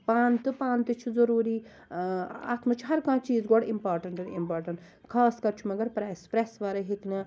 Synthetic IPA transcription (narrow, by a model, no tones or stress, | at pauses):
paːnt̪ɨpãːnt̪ɨt͡ʃʰizɐɾuːɾiː | a̰ːt̪mɐt͡ʃʰɦɐɾkãːt͡ʃiːzɡɔɽɪmpaːɾʈɐɳʈɐnḭmpaːɾʈɐɳʈ | kʰaːskɐɾt͡ʃʰumɐɡɐɾpɾaspɾesʋaːɾɐɦit̪nɐ